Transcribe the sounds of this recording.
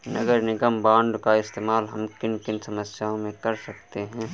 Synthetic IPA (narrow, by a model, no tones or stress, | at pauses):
nɐɡəɾnɪɡəmbãːɳɖkaɪst̪eːmaːlɦɐmkɪnkɪnsɐməsjaːõmẽkɐɾsɐkt̪eɦɛ̃ː